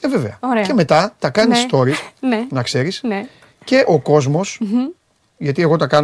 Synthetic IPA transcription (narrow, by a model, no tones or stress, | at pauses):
eve̞ve̞ɐoɾece̞me̞t̪ɐt̪ɐkɐnisst̪o̞ɾisnenɐkse̞ɾisne | ce̞ʔo̞ko̞zmo̞s | ʝɐt̪ie̞ɣo̞t̪ɐkɐn